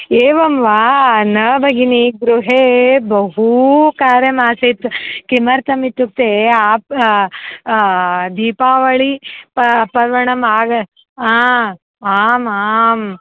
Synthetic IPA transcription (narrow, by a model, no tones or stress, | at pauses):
eːʋɐmʋaːnɐːbɐɡiniɡɾuɦeːbɐɦukaːɾjɐmaːsit̪kimɐɾt̪ɐmit̪ːuk̚t̪eaːp | d̪iːpaːʋɐɭipɐpɐɾʋɐɳɐmaːɡɐ | aː | aːmaːm